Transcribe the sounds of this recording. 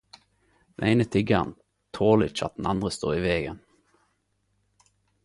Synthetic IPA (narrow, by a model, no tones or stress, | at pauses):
d̪̥ɛneɪnət̪ʰɪɡən | t̪ʰoːlɪt͡ʃɑ̰t̪̚d̪n̩ɑnd̪ʁəst̪o̰ːʁiːʋeːɡə̰n